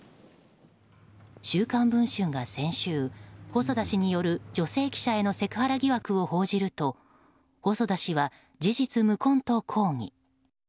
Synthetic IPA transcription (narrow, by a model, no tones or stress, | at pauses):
ɕɨːkãmbɯ̟̃ɰ̃ɕɨŋɡasẽ̞ɰ̃ɕɨːho̞so̞d̪aɕiɲ̟ijo̞ɾɯ̟d͡ʑo̞se̞ːkʲi̥ɕae̞no̞se̞kɯ̟haɾaɡʲiβakɯ̟o̞ho̞ːʑiɾɯ̟t̪o̞ | hoso̞d̪aɕiβa | d͡ʑiʑit͡sɨmɯ̟kõ̞nt̪o̞kʰo̞ːŋ̟ḭ